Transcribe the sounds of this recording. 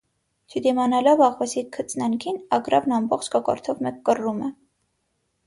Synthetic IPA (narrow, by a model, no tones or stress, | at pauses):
t͡ʃʰəd̪imɑnɑlɔvɑʁvɑsikʰət͡sʰnɑŋkʰinɑɡɾɑ̰vnɑmbɔχt͡ʃkɑkɔ̰ɾt̪ʰɔvmɛkːərumɛ